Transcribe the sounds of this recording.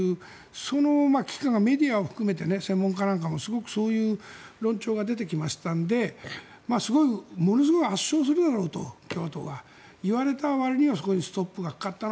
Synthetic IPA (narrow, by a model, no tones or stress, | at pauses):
ɯː | so̞no̞makʲi̥kãŋɡame̞d̪ʲiaoɸɯ̟̥kɯ̟me̞t̪e̞ne̞sẽ̞mːõ̞ŋkanãŋkamo̞sɨɡo̞kɯ̟̥so̞ːjɯ̟ːɾõ̞ɲt͡ɕo̞ːɡad̪e̞t̪e̞kʲimaɕi̥t̪ãnd̪e̞ | maːsɨɡo̞imo̞no̞s̬ɨɡo̞kɯaɕːo̞ːsɨɾɯd̪aɾo̞ːt̪o̞̰kʲo̞ːt̪oɡa | iβaɾe̞t̪aβaɾɯ̟ɲ̟iβasoko̞ɲisɨ̥t̪o̞pːɯɡakḁkat̪ːan